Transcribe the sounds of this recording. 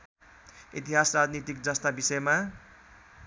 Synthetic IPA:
ḭt̪iɦasrad͡znit̪ik̚d͡zʌst̪abisʌema

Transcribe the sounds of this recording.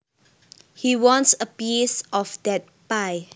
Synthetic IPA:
hiwɔ̃nsəpjesɔfdɛt̚paj

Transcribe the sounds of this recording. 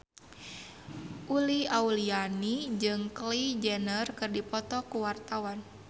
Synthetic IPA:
ʔuliaulianid͡ʒɨŋklid͡ʒɛnərkɨrdipɔt̪ɔkuwart̪awan

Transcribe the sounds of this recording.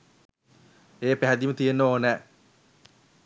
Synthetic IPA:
eːpæɦæd̪imət̪ijenːəoːnɛː

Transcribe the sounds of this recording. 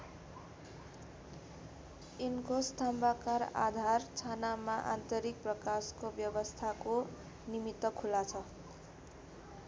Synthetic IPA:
inkost̪ʰambakara̰d̪ʱart͡sʰanamaʔa̰nt̪ʌɾik̚prʌkaskobjʌbʌst̪ʰako | nimit̪ːʌkʰulat͡sʰʌ

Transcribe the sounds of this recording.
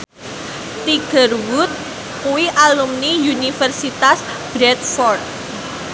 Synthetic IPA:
t̪iɡ̥ə̤rwʊt̪̚ | kuiʔalumniunifərsit̪as | b̥ɾɛt̪̚fɔrt̪̚

